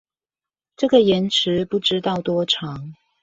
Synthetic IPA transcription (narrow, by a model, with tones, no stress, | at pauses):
ʈ͡ʂɤ˥˩ɡə˨jɛ˨˥nʈ͡ʂʰɻ̩˧˦pu˥˩ʈ͡ʂɻ̩˥t̪ɑ˥˩ʊt̪wɔ˥ʈ͡ʂʰɑ˨˥˦ŋ